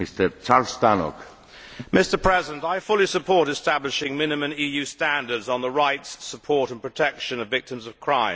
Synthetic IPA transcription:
mist̪əɾt͡ʃalst̪ano̰k | mɪstə˞pʰɹ̥ɛzɪə̃ntaɪfʊlˠisəpʰɔɹɾɨstæblɪʃɪ̃ŋmɪ̃nɨmə̃nijʉstæ̃ndə˞dzn̩ðəɹaɪtsːəpʰɔɹɾə̃n̩pʰɹ̥ətʰɛkʃə̃nʌvɪk̚tɪ̃mzʌv̥kʰɹ̥ãɪ̃m

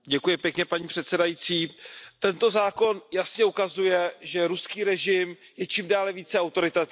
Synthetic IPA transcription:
ɟɛkujɪpjɛkɲɛpaɲiːpr̥ɛt̪sɛdajiːt͡siːt̪ɛnt̪o̞zaːko̞njasɲɛukazujɛʒɛɾuskiːɾɛʒɪm | jɛt͡ʃimdaːlɛviːt͡sɛawt̪o̞ɾɪt̪a

